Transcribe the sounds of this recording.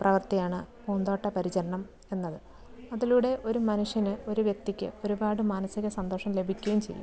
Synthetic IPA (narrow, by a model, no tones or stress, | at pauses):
prɐʋɐrt̪ijaːɳɨpuːnd̪o̞ːʈːɐpɐɾit͡ɕɐɾɐɳɐm | e̞nːɐðɨ | ɐðiluːɽe̞ʔo̞ɾumɐnuʂjɐnɨo̞ɾuʋjek̚t̪ikʲːɨ̰o̞ɾubaːɽɨmaːnɐsiɣɐsɐnd̪oːʂɐmle̞bʱikʲːujumt͡ɕe̞̰jːṵm